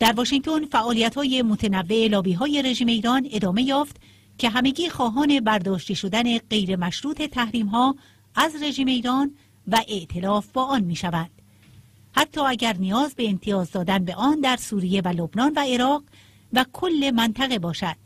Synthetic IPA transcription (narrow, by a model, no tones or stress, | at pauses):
d̪̥æɾvɒːʃiŋt̪ʰo̞nfæʔɒːlijæt̪hɒːje̞mot̪ʰenævːe̞elɒːbiːɦɒːje̞ɾe̞ʒiːme̞iːɾɒːne̞d̪ɒːme̞jɒːft̪ | cʲʰe̞ɦæme̞ɟiːxɒːɦɒːne̞bæɾd̪ɒːʃt̪iʃod̪æne̞ɢe̞jɾe̞mæʃɾuːt̪ʰe̞t̪ʰæhɾiːmɦɒː | æzre̞ʒiːme̞iːɾɒːn | væʔe̞ʔt̪ʰe̞lɒːfbɒːʔɒːnmiːʃævænd̪̥ | hæt̪ʰːɒːæɟæɾnijɒːzbe̞ːmt̪ʰijɒːzd̪ɒːd̪ænbe̞ʔɒnd̪æɾsuːɾije̞vælo̞bnɒːnvæe̞ɾɒːɢ | vækʰo̞lːe̞mænt̪ʰæɣe̞bɒːʃæd̪̥